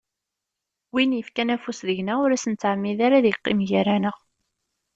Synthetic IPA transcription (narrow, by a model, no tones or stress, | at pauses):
winjəfkænæfusðəʝnæʊɾæsənt͡sːaʕmːiðaɾaðjiqːimʝæɾænəʁ